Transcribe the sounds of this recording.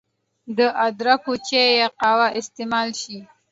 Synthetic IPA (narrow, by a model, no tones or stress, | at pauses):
d̪əʔad̪ɾakot͡ʃejeqɑwaʔɪst̪emɑlʃi